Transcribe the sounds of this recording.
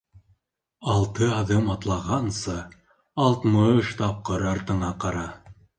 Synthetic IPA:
ɑlˠt̪ɤɑðɤmɑt̪lˠɑʁɑnsɤː | lˠt̪mɤɵʃt̪ɑp̚qɤɾɑɾt̪ɤ̆ɴɑqɑɾɑ

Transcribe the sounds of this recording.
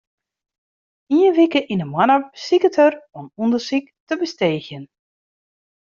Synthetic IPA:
iənʋikəʔinəmwanəsikətərɔnundərsiktəbəsteːxjən

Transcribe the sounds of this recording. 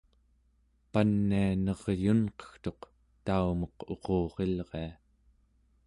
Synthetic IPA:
panːianʌʁjunqʌ̥xt̪o̞q | t̪aumʌqo̞qʰo̞ːʁe̞lʁea

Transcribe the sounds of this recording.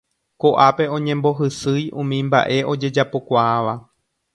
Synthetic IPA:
ko̞ʔape̞õ̞ɲẽ̞mbo̞ɦɨsɨjũmĩmba̰ʔe̞ʔo̞d͡ʒe̞d͡ʒapo̞kʷaaʋa

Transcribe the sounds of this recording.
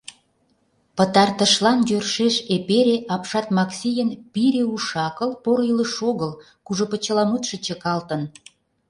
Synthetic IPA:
pət̪ɑrt̪ə̆ʃlɑnjørʃeʃepeɾeʔɑpʃɑt̪mɑksʲijənpiɾeuʃɑkəlpoɾiləʃoɣəl | kuʒopə̆t͡ɕəlɑmut̪ʃə̆t͡ɕə̆kɑlt̪ən

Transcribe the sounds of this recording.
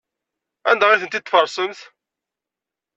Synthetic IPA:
ænd̪æʁiθənt̪it̪ːfəɾˤsˤəmθ

